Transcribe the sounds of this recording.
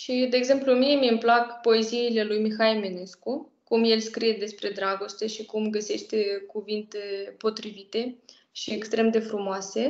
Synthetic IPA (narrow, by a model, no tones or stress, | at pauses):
ʃid̪e̞ːɡze̞mpluəmie̞miɨmplakpo̞e̞ziːle̞lujmixaimene̞sku | kumje̞lskɾije̞d̪e̞spɾe̞d̪ɾaɡo̞st̪e̞ʃikumɡəse̞ʃt̪ekuvint̪epo̞t̪ɾivit̪e̞ | ʃiekst̪ɾe̞md̪e̞fɾumoase̞